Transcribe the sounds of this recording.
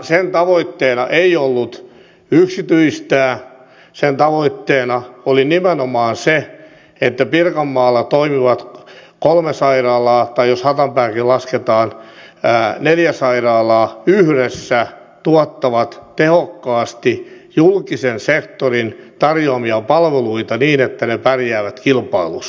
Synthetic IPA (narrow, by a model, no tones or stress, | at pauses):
sent̪ɑʋoit̪ːeːnɑʔeiolːut̪ | yksit̪yist̪æː | sent̪ɑʋoit̪ːeːnɑolinimenomɑːnse | et̪ːæpirkɑmːɑːlːɑt̪oimiʋɑt̪kolmesɑirɑːlɑːt̪ɑijoshɑt̪ɑmpæːkillɑsket̪ɑːn | neljæsɑirɑːlɑːyhɾesːæ | t̪uɑt̪ːɑʋɑt̪t̪ehokːɑːst̪ijulkisensekt̪orint̪ɑrjoɑmiɑpɑlʋeluit̪ɑniːnet̪ːænepærjæːʋæt̪kilpɑilṵs